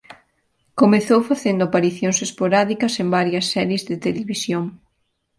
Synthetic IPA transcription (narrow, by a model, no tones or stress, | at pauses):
komeθowfaθend̪ʊapaɾiθjoŋsespoɾaðikɐsembaɾjɐsːɛɾjezðɪt̪eleβisjoŋ